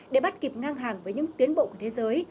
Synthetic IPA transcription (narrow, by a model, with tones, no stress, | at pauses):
ɗe˧˩ɓa˦˥t̚ki˨˩p̚ŋaː˧ŋɦaː˨˩ŋvəː˨˦jɲɨ̰˧˥ŋt̪i˨˦ənɓo̰˧˨ku˧˩ət̪ʰe˨˦zəː˨˦j